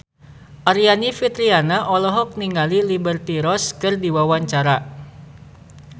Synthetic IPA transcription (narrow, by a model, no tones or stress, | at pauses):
ʔaɾianifit̪ɾianaʔɔlɔɦɔk̚niŋalilibərt̪iɾɔskɨrdiwawaɲt͡ʃaɾa